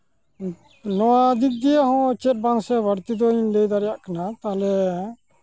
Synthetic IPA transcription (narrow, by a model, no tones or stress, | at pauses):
nɔwad̪ʱik̚d̪ijaɦɔ̃t͡ʃɛt̪̚bãŋksɛbəɾt̪id̪ɔinlɛjd̪aɾɛjaʔkanat̪alɛ